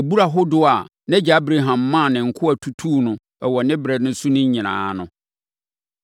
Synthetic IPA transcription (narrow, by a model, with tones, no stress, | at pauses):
ɛ˨bu˦ɾa˨ɦʊ˦dʊ˦a˨ | nɛ̃˦d͡ʑa˨˦bɾe˨ɦã˨mːã˦˨nɪ̃˨ŋ̩˨kʰʊ˦æ˨tʰu˦tʰuː˦nʊ̃˨ | ɛ˨wɔ˨nɪ̃˦bɾɛ˨dnʊ̃˦su˦nɪ̃˦ɲ˦ɲĩ˨nã̰ː˨˦nʊ̃˦